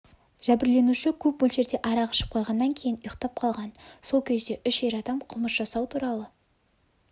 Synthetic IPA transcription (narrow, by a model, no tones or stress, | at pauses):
ʒ̥æbɪɾle̞nuʃɪkʲʰɵp̚bolˠʒe̞ɾd̪e̞ʔɑɾɑʁəʃə̥p̚qʰojʁɑnːɑŋkʲʰe̞jɪnʊjəqt̪ɑp̚qʰɑlˠʁɑnso̞lˠkʲʰe̞zd̪e̞ʔʏʃe̞ɾɑd̪ɑmqʰʊməsʒ̥ɑsɑwt̪ʰuɾɑlˠə